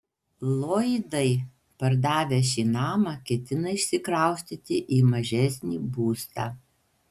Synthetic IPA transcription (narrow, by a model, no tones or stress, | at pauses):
lˠoːd̪ɐɪ | pɐɾd̪ɑːʋʲeːʃʲiːnɑːmɑkʲɛt̪ʲɪnɐɪʃʲsʲɪkɾɐˑʊsʲt̪ʲit̪ʲɪʔiːmɐʒʲɛsʲnʲiːbuːst̪ɑ̰ː